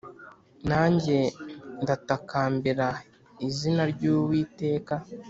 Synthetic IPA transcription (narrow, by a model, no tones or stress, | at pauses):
naːɲɟe̞ndatakaːmbiɾa | izinaɾɟuːwiːte̞ːka